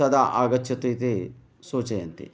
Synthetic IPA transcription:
ɐd̪aːʔaːɡɐt̪ʃʰɐt̪ut̪i | soːt͡ʃɐjɐnt̪ḭ

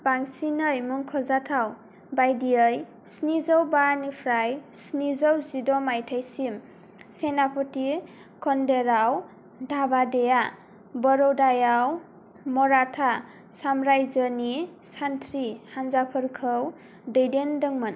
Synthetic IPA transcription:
b̥aŋsinəjmuŋkʰɔzatʰaw | bajdiəj | snizəwbanipʰɾajsnizɔwzidɔmajtʰajsim | senapʰɔti | kʰɔndeɾaw | dʱabadeja | bɔɾɔwdajaw | mɔɾatʰa | samɾajzənisantʰɾihanzapʰɯɾkʰəw | dəjdendɯŋmɯn

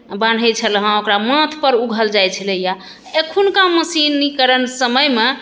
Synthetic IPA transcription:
ban̤ʱəjt͡ʃʰəlɦə̃okɾamət̪ʰpəɾuɡʱəld͡ʒajt͡ʃʰələja | ekʰunkãməsinːikəɾənsəməjme

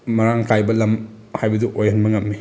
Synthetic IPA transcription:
mɐɾaŋkajbɐlɐm | hajbɐduʔojɐnbɐŋɐp̚mi

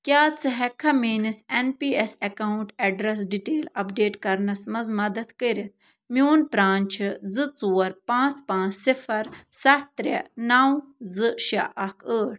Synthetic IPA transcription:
kʲjaːt͡sɨɦɛkʰɐmeːnisenpiːesɐkaːuɳʈɐɖɾɐs̬ɖiʈeːlɐpɖeːʈkɐɾnɐsmɐzmɐd̪ɐt̪kəɾit̪̚ | mioːnpɾaːnʲt͡ʃʰizɨt͡suːɐɾpãːt͡spãːt͡ssifɐɾsɐtt̪ɾɐ̰naːwzɨʃɐ̰ʔɐkʰəːʈ̚

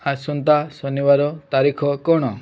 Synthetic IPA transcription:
asɔnt̪asɔnibaɾɔt̪aɾikʰɔkɔɽ̃ɔ

